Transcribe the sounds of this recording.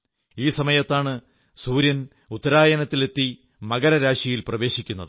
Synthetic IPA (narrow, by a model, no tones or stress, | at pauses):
iːsɐmɐjɐt̪ːaːɳɨ | suːɾjɐn | ut̪ːɐɾaːjɐnɐt̪ːilet̪ːi | mɐɣɐɾɐɾaːʂɐjilprɐʋe̞ːɕikʲːunːɐðɨɨ